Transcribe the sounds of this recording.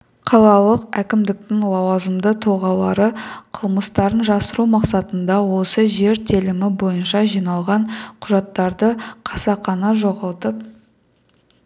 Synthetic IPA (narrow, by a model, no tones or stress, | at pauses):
qʰɑlˠɑlˠəqækʲɪmd̪ɪk̚t̪ɪŋlˠɑwɑzəmd̪ət̪ʰoʁɑlˠɑɾəqʰəlˠməst̪ɑɾənʒɑsəɾumɑqsɑt̪ənd̪ɑwo̞səʒe̞ɾt̪ʰelɪmɪbo̞jənʃɑʒijnɑlˠʁɑɴqʰʊʒɑt̪ːɑɾd̪əqʰɑsɑqɑnɑʒo̞ʁɑlˠt̪əp̚